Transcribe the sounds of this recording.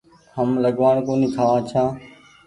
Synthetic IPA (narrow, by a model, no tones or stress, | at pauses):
həmləɡʋaːɳkoːnĩːk̪ʰaːaːt͡ʃʰãː